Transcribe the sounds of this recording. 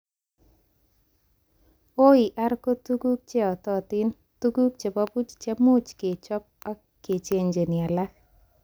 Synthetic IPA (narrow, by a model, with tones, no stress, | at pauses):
o˦i˨ʔa˦ɾko˦tu˦ku˦k̚t͡ʃe˦ɔ˨tɔ˦˨ti˦n | tu˦ɡu˦k̚t͡ʃe˨pɔ˦pu˦t͡ʃt͡ʃe˦mo˦t͡ʃke˨t͡ʃɔ˦p̚a˦ | kːe˨t͡ʃe˦ɲd͡ʒe˨ni˨a˨la˦k